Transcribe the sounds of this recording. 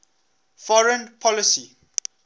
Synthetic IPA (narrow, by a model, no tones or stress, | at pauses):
fɔɹə̃npʰɔlisi